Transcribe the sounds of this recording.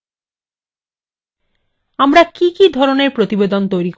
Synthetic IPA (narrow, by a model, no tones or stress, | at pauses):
amɾakikid̪ʱɔɾoneɾpɾot̪ibed̪ont̪ojɾik